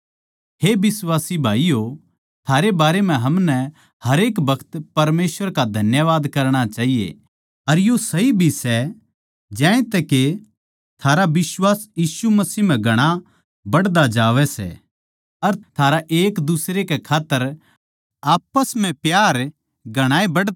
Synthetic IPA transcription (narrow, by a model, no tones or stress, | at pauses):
ɦebɪswaːsibʱaːijo | t̪ʰaːɾebaːɾem̤ɛ̃ɦɐmnɛ | hɐɾeːkbɐkʰt̪pɐɾmeːsʋəɾkad̪ʱɐnjəʋaːd̪kɐɾɽ̃at͡ʃaːɦijḛ | ɐɾjosɐɦibʱisɛ | d͡ʒɛ̃ːẽt̪ɛke | t̪ʰaːɾabɪswaːsjiːʃumɐsiːm̤ɛ̃ɡʱɐɽ̃a | bɐɽd̪ad͡ʒaːʋɛsɛ̰ | ɐɾt̪ʰaːɾaʔeːkd̪usɾekekʰaːt̪ːəɾ | aːpəsm̤ɛ̃pjaːɾ | ɡʱɐɽ̃aːebɐɽ